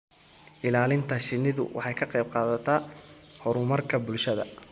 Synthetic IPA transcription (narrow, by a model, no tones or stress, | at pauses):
ʔɪlaːlɪnt̪ʰɐʃɪnːɪðʊ̰wʔɑ̰ħɑjkʰɐqɛjb̚qɑːðɐt̪ʰɐ | hɔɾʊmɐrkʰɐbʊlʃɐðɐ̰